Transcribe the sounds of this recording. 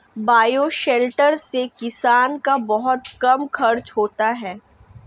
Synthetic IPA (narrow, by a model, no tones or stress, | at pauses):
baːjoʃɛːlʈəɾsekɪsaːnkabɐɦʊt̪kɐmxʰɐɾt͡ʃɦoːt̪aɦɛː